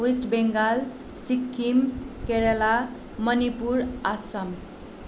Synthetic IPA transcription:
isʈbeŋɡal | sikːimkeɾela | mʌnipuɾasəm

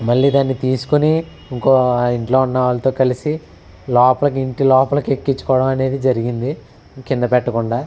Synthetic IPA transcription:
mɐɭːiːd̪aːnːit̪iːsu̥kuni | iŋko̞ːiɳʈlo̞ːunːɐʋaːlɐt̪o̞ːkɐlisi | lɔːpɐlɐk̬iɳʈilɔːpɐlɐkekːit͡ʃːu̥kɔːɽɐmɐne̞ːd̪id͡ʒɐɾiɡind̪i | kind̪ɐpɛʈːɐkuɳɖaː

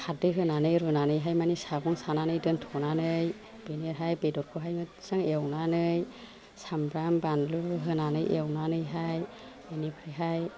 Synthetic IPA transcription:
kʰat̚dɯɦɯnanɯjɾunanɯjɦajmanisaɡɔŋsananɯjdɯntʰɔnanɯj | b̥eneɾɦajbedɔt̚kʰuɦajɯ | sɯŋewnanɯj | sambɾambanluɦɯnanɯjʔḛwnanɯjɦaj | enipʰɾiɦaj

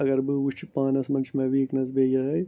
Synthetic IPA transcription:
ɐɡɐɾbɨʋut͡ʃipãːnɐsmɐnt͡ʃʰmẽʋiknɐzbeːjɐɦɐj

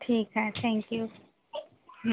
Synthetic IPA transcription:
t̪ʰikat̪ʰɛ̃ŋkju | m

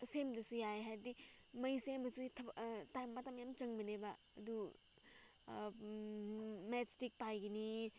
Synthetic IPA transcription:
semdɐsujaeɦaɾdi | mɐjsebɐsuitʰɐbtajmːɐtɐmjamt͡ʃɐŋbɐnebaːd̪u | metstik̚pajɡini

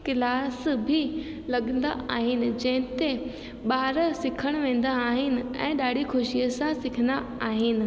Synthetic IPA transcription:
kɪlaːsbʱɪ | lɐɠənd̪a̰aːɦɪnɪ̆d͡ʑɐ̃ɦɪ̃nt̪e | ɓaːɾsɪkʰəɽ̃ʋẽːn̆d̪aːɦɪnɪ̆ɛ̰̃ːɗaːɽ̤ʱikʊʃijəsãsɪkʰənd̪aaːɦɪnɪ̆

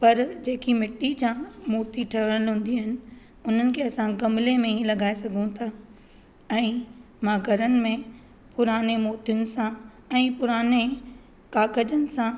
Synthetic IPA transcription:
pɐɾd͡ʑeːkimɪʈːid͡ʑãːmoːt̪iʈʰɐʋəɽ̃əlɦũːnd̪iɦɪnɪ̆ | ʊn̤ənɪ̆kʰeːɐsãɡɐmlemẽĩlɐɡaːesɐɡʱũt̪ʰaː | ɛ̃ː | mãːɡʱɐɾənɪ̆mẽ | pʊɾaːnemoːt̪ijənɪ̆sã | ɛ̃ːpʊɾaːne | kaːkəd͡ʑənɪ̆sã

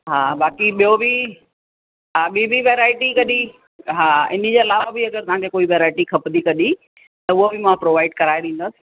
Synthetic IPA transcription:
ɦaːbaːkiɓijobʱi | ɦaːɓibʱiʋeːɾaːɪʈikɐɗ̪i | ɦaːɪ̰n̤ĭd͡ʑeːɐlaːʋabɪɐɡəɾt̪ɐʋ̤ãŋkʰekoːiʋeːɾaːɪʈikʰɐpd̪ikɐɗi | t̪ɐʊɦobɪmãpɾoːʋaːɪɖkɐɾaːeɗĩːnd̪osɪ̥

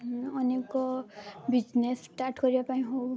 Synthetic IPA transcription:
ɔnekɔbid͡ʒnesʈaɾʈkɔɾibapaĩɦob

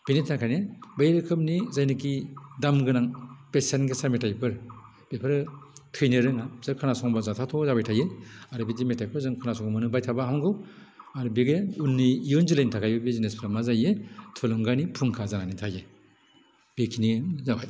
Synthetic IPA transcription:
b̥initʰakʰajnebajɾɯkʰɯpnizajnɯkidamɡɯnaŋpesenɡesametajpʰɯɾ | b̥epʰɯɾɯtʰɯjnɯɾɯŋazɯɾkʰanasɔŋbazatʰatʰɔzabajtʰajeaɾɯbidimetajkʰɯɾzɯŋkʰanasɔŋmɯnɯbajtʰabaɦamɡɯw | aɾubiɡeunːiːjɔnzilajntʰakʰajbɯbizinespʰɾamazajetʰɯlɔŋɡanipʰuŋkʰazananitʰaje | b̥ekʰinizabaj

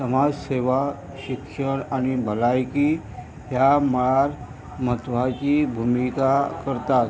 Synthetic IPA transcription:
səmad͡zseʋa | ɕikʂəɳaɽ̃ibʱəlajki | ɦjaməɭaɾ | mət̪ʋat͡ɕibʱumikakəɾt̪at̪̚

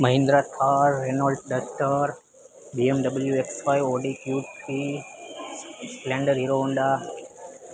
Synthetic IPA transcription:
mɐɦɪ̃nd̪ɾat̪ʰaɾːenalɖ̚ɖɐsʈəɾ | biemɖɐbəljueksʋaiʋoːɖikjuːʈi | splẽːɳɖəɾɦiɾoɦũːnd̪a

